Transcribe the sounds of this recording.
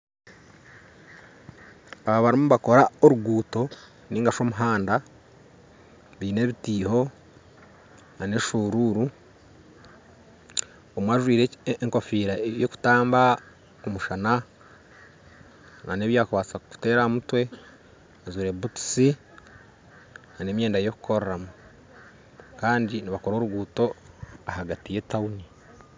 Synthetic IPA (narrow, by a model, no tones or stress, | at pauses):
aβaβaɾimuβako̞ɾaoɾuɡuːto̞ | niːŋɡaʃo̞muɦaːnda | βiːne̞ːβitiːho̞ | nane̞ʃuɾuːɾu | omwaːʒwiːɾeeŋko̞fiːɾajoku̥taːmba | kumuʃana | nane̞ːβjaːkuβaːt͡saku̥te̞ːɾamutwe̞ | azuɾe̞butu̥si | nane̞ːmje̞ːndajo̞ku̥kʰo̞ɾɾamu | kaːndiniβako̞ɾo̞ːɾuɡuːto̞ahaɡatije̞tauni